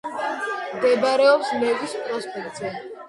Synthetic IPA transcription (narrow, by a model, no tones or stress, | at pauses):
md̪ɛbaɾɛɔpsmɛvispʼɾɔspʼɛkʼt̪zɛ